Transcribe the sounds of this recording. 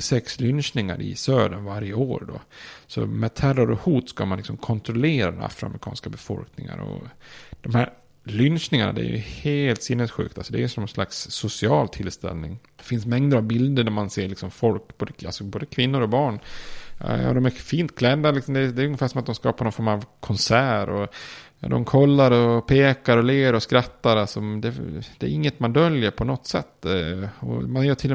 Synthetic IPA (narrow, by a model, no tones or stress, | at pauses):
sɛkslʏnʂnɪŋa̰ɾɪ̰søːɖ̪ənvaɾɪjəoːɾɖɔ̰sɔ̰mɛd̪̚t̪ʰæraɾɔhuːt̪skamanlɪksɔmkʰɔnt̪ɾɔleːɾad̪ɛna̰fɾʊa̰mɾɪkʰɑːnskabɛfɔ̰lknɪŋa̰ɾɔ̰d̪̥ɔmhæɾ | lʏnʂnɪŋana̰d̪ɛ̰æ̰ɾjɵ̰heːlt̪sɪnːəsɧʉ̟̰ːkt̪alsɔd̪ɛæɾjɵsɔmɛnslaksːʊsɪɑːlt̪ʰɪlst̪ɛ̰lnɪŋ | ɛfɪnsmɛŋd̪əɾavbɪld̪əɳæɾmanseːɭɪksɔmfɔlkːboːd̪əa̰lsɔboːd̪əkʰvɪnːʊɾɔbɑːɳ̰ | d̪ɔmæɾfiːnt̪̚kʰlɛd̪ːalɪksɔmd̪ɛd̪ɛæɾjɵŋːəfæːʂɔmat̪d̪ɔmskɑ̰ːpaɾnɔnfɔɾmavkʰɔnsæːɾɔ̰ | d̪ɔ̰mkʰɔlːaɾɔpʰeːkaɾɔleːɾɔskɾat̪ːaɾalsɔd̪ɛd̪ɛ̰ːɾɪŋːət̪mand̪œljəɾpʰɔnɔt̪ːsɛ̰t̪ːɔ̰manjœːʈʰɪlː